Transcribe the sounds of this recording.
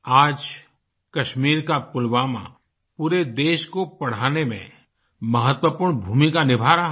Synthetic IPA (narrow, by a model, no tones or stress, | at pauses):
aːd͡ʒ | kɐʃmiːɾkapʊlwaːmã̰ | puːɾed̪eːʃkopɐɽ̤aːnemḛ̃ | mɐɦət̪wəpuːɾɳbʱuːmikanɪbʱaːɾa